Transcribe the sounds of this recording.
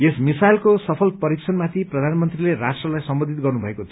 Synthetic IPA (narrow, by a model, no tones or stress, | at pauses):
esmisajlkosʌpʰʌlpʌɾiksʰʌnmat̪ʰiprʌd̪ʱanmʌnt̪rilerasʈrʌlajsʌmbʌnd̪ʱit̪̚ɡʌrnubʱʌekot͡sʰ